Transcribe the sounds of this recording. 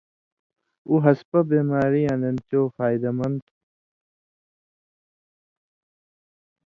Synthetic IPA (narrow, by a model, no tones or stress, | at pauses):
uɦɐspɐbeːmaːɾiɐnent͡ɕoːfaːjd̪ɐmɐnd̪